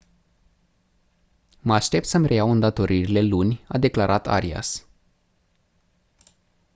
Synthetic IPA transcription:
məaʃt̪e̞p̚t̪səmre̞jawɨnd̪at̪o̞ɾʔiɾile̞lunʲa̰d̪e̞klaɾʔat̪a̰ɾia̰s

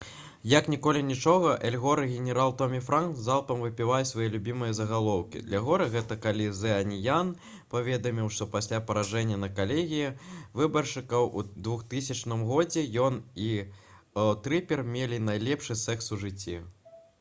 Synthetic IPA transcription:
jɐknʲikɔlʲinʲit͡ʂɔɣɐʔɛlʲɣɔɾɨɣʲɛnʲɛɾalˠt̪ɔmʲifɾanzalˠt̪ɐmvɨpʲivajʲsʲvajɛlʲubʲimɨjɐzɐɣalˠɔwkʲḭd̪lʲɐɣɔɾɨɣɛt̪ɐkalʲizɛɐnʲijan | pavʲɛd̪ɐmʲiwʂt̪ɔpasʲlʲapɐɾaʐɛnʲːɐnɐkalʲeɣʲijɐvɨbɐrʂɨkɐwṵd̪vuxt̪ɨsʲɐt͡ʂnɨmɣɔd͡zʲɛjɔni | wt̪ɾɨpʲɛrmʲelʲinajlʲɛpʂɨsɛksuʐɨt͡sʲːi

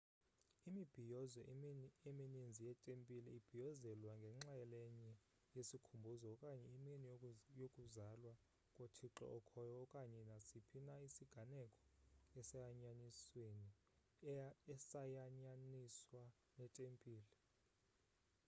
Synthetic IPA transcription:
imib̥ʱijɔzɛeminind͡zʱijɛtʼempʼilɛib̥ʱijɔzɛlwaŋɡʱɛŋ͡ǁajɛlɛɲɛ | jesikʰumbʱuzɔɔkʼaɲɛimenijokʼuzalwa | kʼotʰiǁɔ̰ʔɔkʰɔjɔɔkʼaɲɛnasipʰinaisiɡ̥ʱanɛkʼɔ̥ɛsajaɲanisweni | ɛsajaɲaniswa | nɛtʼempʼiːlɛ

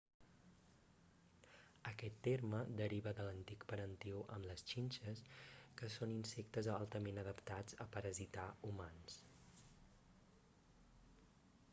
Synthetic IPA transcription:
əkɛt̪ːerməd̪əɾiβəðələnt̪ikpəɾənt̪ioʔəmləst͡ʃinʲt͡ʃəskəsoninsɛk̚t̪əzalˠt̪əmenəð̞əpt̪ad͡zəpəɾəzit̪aumans

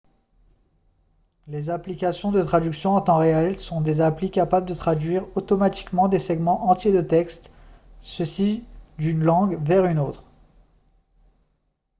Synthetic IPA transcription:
lezaplikasjɔ̃d̪ət̪χad̪yksjɔ̃ɑ̃t̪ɑ̃ʁeɛlsɔ̃d̪ezaplikapabləd̪ət̪χad̪ɥiʁot̪ɔmat̪i̥kmɑ̃d̪esɛɡmɑ̃ʔɑ̃t̪jed̪ət̪ɛkst̪səsid̪ynlɑ̃ɡvɛʁynot̪χ

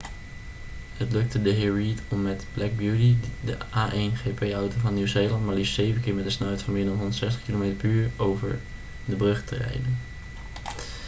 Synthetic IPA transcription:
hətlɵk̚tədəɦɪːɹɹitɔmːɛtblɛɡ̚bjutidəʔaːʔenχepejɑwtowvɑnːiwzejlɑntmaɹlisejvənkɪːɹmɛtdəsnœɥtfɑnmɪːɹdɑnɦɔndətsɛstə̥χkilomejtəɹpyːɹowvə̰ɹ | dəbrɵχtʰərɛ̰jdən

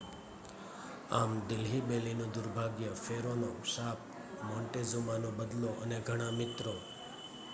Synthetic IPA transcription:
amd̪ɪlɦibelinũd̪ʊɾbʱaɡjəfeɾonoʃaːp̚ | mɔɳʈezumanõbəd̪loʔəneɡʱəɽ̃amɪt̪ɾo

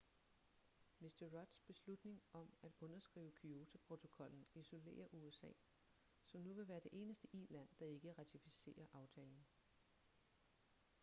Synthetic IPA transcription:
misd̥ɐʁɒ̽d̥sb̥e̝slud̥ne̝ŋɒ̽mæd̥ɔ̽nɐsɡ̥ʁḭːʊəkʰyo̝ːt͡sʰæpʰʁo̝t͡sʰo̝kʰɒ̽l̰n̩iso̝le̝̰ːɐʔuesɛ̰ː | sɒ̽mnuʋe̝ʋæːɐd̥e̝ʔe̝ːnəsd̥əʔiːlæn̰d̥ɑ̈e̝ɡ̥əʁɑ̈t͡sʰifise̝̰ːɐʔɑ̈ʊt͡sʰɛːln̩

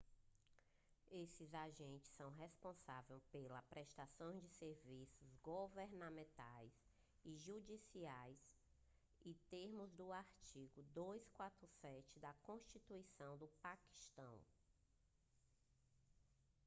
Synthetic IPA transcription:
esɪzaʒẽnt͡ʃɪ̥sːɐ̃w̃ɦespõsavewpelɐpɾɛʃt̪asõj̃zd͡ʒɪseɾvisʊzɡoveɾnɐmẽnt̪ajs | iʒud͡ʒisiajs | ɪt̪eɾmʊzd̪ʊaɾt͡ʃiɡʊd̪ojskwat̪ɾʊsɛt͡ʃɪd̪ɐkõʃt͡ʃit̪uisɐ̃w̃d̪ʊpaki̥ʃt̪ɐ̰̃w̃

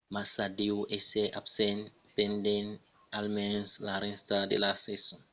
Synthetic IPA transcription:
masadiwʔeseʔapsen | penden | almenslaɾenstadḛlaseso

